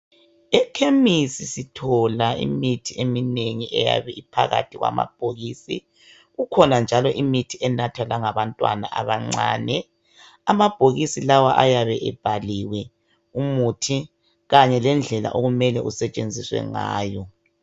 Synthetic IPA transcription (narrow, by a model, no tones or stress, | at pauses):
ɛkʰemisisitʰɔlaḭmitʰiemineŋiʔɛja̰βɛipʰa̰ɣa̰tʰiɣwa̰ma̰b̥̚ʱoɣisḭ | ɣukʰɔnand͡ʒʱalɔʔimitʰiʔɛnatʰalaŋaβantʼwa̰na̰ʔaβaŋ͡ǀaːnɛ | amab̥ʱoɣisilawaʔajaβɛʔɛb̥ʱaliwɛ | umutʰi | ɣaɲɛlɛnd͡ɮʱɛla̰ʔoɣumɛlɛʔusɛt͡ʃʼend͡zʱiswɛ̰ŋa̰ːjɔ